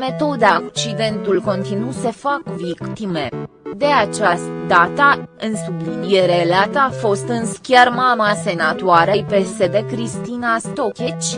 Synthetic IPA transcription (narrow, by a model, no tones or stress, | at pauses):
me̞t̪o̞d̪akt͡ʃid̪e̞nt̪ulko̞nt̪inuse̞fakvikt̪ime̞ | d̪e̞at͡ʃast̪d̪at̪aɨnsublinije̞ɾeleat̪əafo̞st̪ɨnskʲermamase̞nat̪oaɾejpese̞d̪e̞kɾist̪inast̪o̞kʲet͡ʃʲ